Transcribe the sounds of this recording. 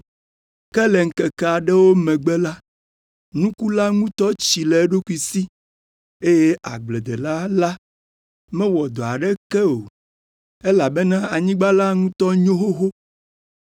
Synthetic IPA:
kɛ˦lɛ˨ŋ̩˨kɛ˨kɛ˦a˨ɖɛ˦wo˦mɛ̃˨ɡ͡bɛ˦la˦ | nũ˦ku˦la˦ŋũ˦t̪ɔ˦t͡ɕi˨lɛ˨˦ɖo˦ku˦i˦si˦ | e˦je˦ʔa̰˨ɡ͡blɛ˨d̪ɛ˨la˦la˦ | mɛ̃˦wɔ˨d̪ɔ˨a˨ɖɛ˦kɛ˦o˨ | e˦la˨bɛ˦nã˦a˨ɲĩ˦ɡ͡ba˦la˦ŋũ˦t̪ɔ˦ɲõ˦ɦo˦ɦo˦

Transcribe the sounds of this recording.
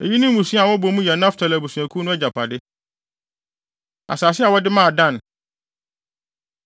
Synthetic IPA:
e˨ji˦nʊ̃˦m˦ũ˨sũ˦a˨wɔ˦bɔ˨mũ˦jɛ˨nã˦ftʰa˨la˨bu˨sũ˨æ˨kʰu˦nʊ̃˦ɛ˦d͡ʑa˨pʰa˨dɪ˦ | a̰˨saː˨s̬ɪ˦a˨wɔ˦dɪ˦mãː˦˨dã˦˨n˨

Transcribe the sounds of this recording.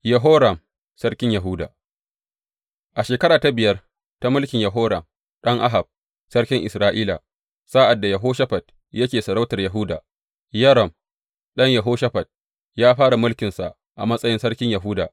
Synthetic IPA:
jɐ˨ɦoː˦ɾɐ˨m | sɐ˦rkʲɪ˦ɲjɐ˨ɦʊː˦da̰ː˨ | ʔa˨ʃeː˨kɐ˦ɾaː˨ta˨˦bɪ˨jɐ˦r | ta˦mʊ˦lkʲɪ˨ɲjɐ˨ɦoː˦ɾɐ̰˨m | ɗɐ˦ŋʔa˦ɦa˨b̚ | sɐ˦ɽkʲɪ˦ŋʔɪ˨sɾaː˦ʔiː˦la̰˨ | saː˦ʔa˨dːa˨jɐ˨ɦoː˦ʃɐ˦ɸɐ˨t̚ | jɐ˦kʲeː˨sɐ˨ɽa˦wtɐ˨rjɐ˨ɦʊ˦da̰ː˨ | jɐ˦ɾɔ˨m | ɗɐ˦ɲjɐ˨ɦoː˦ʃɐ˦ɸɐ˨t̚ | jaː˦ɸaː˦ɽa˨mʊ˦lkʲɪ˨nsa̰˨ʔ | ʔa̰˨mɐ˦sʼɐ˦jɪ˦nsɐ˦ɽkʲɪ˦ɲjɐ˨ɦʊ˦da̰ː˨

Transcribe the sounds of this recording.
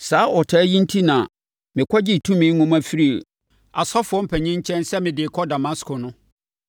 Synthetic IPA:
saː˨˦ʔɔ˨tʰaː˨˦jĩ˦n̩˦tʰi˦nã˨ | mɪ̃˨kʰʷɔ˦d͡ʑɪ˦˨tʰũ˦mɪ̃˦ŋʊ̃˦ma˦fi˦ɾi˦e˨ | a˨sɔ˦fʊ˨ɔ˦m̩˦pʰɛ˨ɲĩ˦ɲ̩˦t͡ɕʰɛ̃˦nsɛ˦mɪ̃˨dɪ˨kʰɔ˦da˨mã˦skʰo˨nʊ̃˦

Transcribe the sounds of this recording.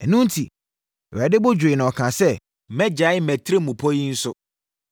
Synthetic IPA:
ɛ˨nũ˦n̩˦tʰi˨ | æ˨dɪ˦bʊ˦d͡ʑᶣʊ˨ɪ˨nʊ̃˨ɔ˨kʰã˨sɛ˦ | mɛ̃˦d͡ʑa˨˦ɪ˦mɛ̃˨tʰɾe˦mũ˨pʰɔ˦ji˦n̩˦sʊ˦

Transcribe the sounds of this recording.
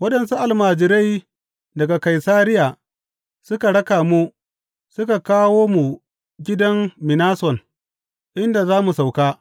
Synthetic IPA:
wɐ˦ɗɐ˨nsu˦ʔa˨lmaː˨d͡ʒɪ˨ɾa˦j | dɐ˨ɡa˨ka˨jsaː˦ɾɪ˦jaː˨ | sʊ˦ka˨ɽɐ˦kaː˨mu˦ | sʊ˦ka˨kaː˦woː˦mu˨ | ɡʲɪ˦dɐ˦nːɪ˨naː˦sɔ˨n | ʔɪ˦nda˨zaː˦mu˨sa˨wkaː˦

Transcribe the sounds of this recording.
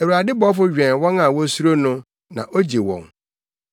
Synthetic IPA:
ɛ˨wu˨ɾa˨dɪ˦bɔ˦fʊ˦ɥᶣɛ̃˨nwɔ̃˦nã˨wɔ̃˦su˦ɾo˦nʊ̃˦ | nã̰˨ʔo˦d͡ʑe˨wɔ̰̃˨ŋ

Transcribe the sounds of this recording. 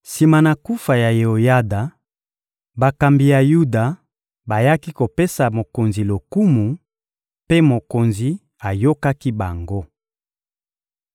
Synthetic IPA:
si˨ma˨na˨ku˦fa˨ja˨je˨o˨ja˦da˨ | ba˨ka˨mbi˨ja˨ju˦da˨ | ba˨ja˦ki˦ko˨pe˦sa˨mo˨ko˨nzi˨lo˨ku˦mu˨ | pe˦mo˨ko˨nzi˨ | a˨jo˦ka˦ki˦ba˨ŋɡo˦

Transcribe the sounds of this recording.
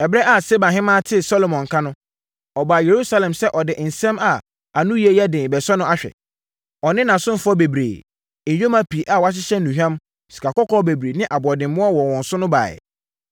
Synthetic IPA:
ɛ˨bɾɛ˦ʔa˨se˦bã˨ɦɪ̃˦mãː˦tʰɪ˦sɔ˦lo˨mɔ̃˨ŋ˨kʰã˦nʊ̃˦ | ɔ˨baː˨je˨ɾu˦sa˦lɛ̃˨msɛ˦ʔɔ˨dɪ˨n̩˨sɛ̃˦ma˨ | a˨nũ˦ji˦e˦jɛ˦dɪ̃˨bɛ˨sɔ˦nʊ̃˦a˦ɕᶣɛ̰˨ | ɔ˨nɪ̃˦nã˨sʊ̃˦m̩˦fʊ˦ɔ˦be˨bɾḛː˨ | jᶣo˦mã˦pʰi˨ʔa˨wa˦ɕ̬ɪ˦ɕɛ˦nũ˨hᶣã˦m | si̥˨kʰa˨kɔ˦kʰɔː˦be˨bɾe˨nɪ̃˦ʔa˨bɔ˨dɪ̃˨m˦mʊ̃˦ɔ˦wɔ˨wɔ̃˨n˨sʊ˦nʊ̃˦ba̰ː˨ɛ̰˨

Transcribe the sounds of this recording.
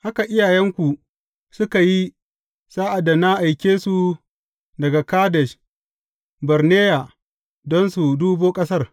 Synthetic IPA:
ʔa˦ka˨ʔɪ˦jaː˨jɛ˦ŋkʷu˨ | sʊ˦ka˨ji˦ | saː˦ʔa˨da˨na˦ʔa˨jkʲeː˦su˨ | dɐ˨ɡa˨kaː˦dɛ˨ʃ | bɐ˨rneː˦ja˨ | dɔ˦nsu˨duː˦boː˦kʼɐ˦sɐ˦r

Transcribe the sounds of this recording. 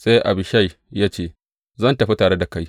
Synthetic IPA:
sa˦jʔa̰˨bɪ˨ʃa˦˨j | jaː˦t͡ʃeː˦˨ | zɐ˦ntɐ˨ɸi˦taː˨ɽe˦da˨ka˦j

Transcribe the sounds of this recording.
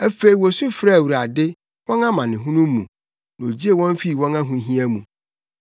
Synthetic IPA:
æ˦fe˨i˨wɔ˨sʊ̃˦fɾa˦˨wu˨ɾa˨dɪ˦ | wɔ̃˦nã˦mã˨nɪ̃˨ɦũ˦nũ˦mː˦ṵ̃˨ | nã˨o˨d͡ʑi˦e˨wɔ̃˦m˦fi˦˨wɔ̃˦nã˦ɦũ˦ɦĩ˦æ˦mũ˨

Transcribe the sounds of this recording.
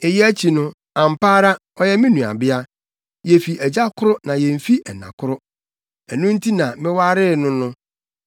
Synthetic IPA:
e˨jɛ˦æ˦t͡ɕʰi˨nʊ̃˦ | ã˨m̩˨paː˦ɾa˦ | ɔ˦jɛ˦mɪ̃˦nũ˨a̰˨bɪ˦a˦ | jɛ˨fi˨æ˨d͡ʑa˦kʰʊ˦ɾʊ˦nã˨jɛ˨m˨fi˦ɛ˨nã̰˨kʰʊ˦ɾʊ˦ | ɛ˨nʊ̃˦n̩˦tʰi˦nã˨mɪ̃˦wa˦ɾɪ˦˨nʊ̃˦nʊ̃˦

